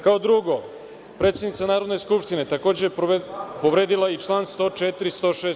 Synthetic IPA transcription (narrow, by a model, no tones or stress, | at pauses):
kaod̪ɾuɡo | pɾet̪sed̪nit̪sanaːɾo̞d̪ne̞skupʂt̪inet̪ako̞ːd͡ʑepo̞ʋɾeːd̪ilˠait͡ʂlˠaːnst̪o̞ːt͡ʂet̪iɾist̪oːʃeː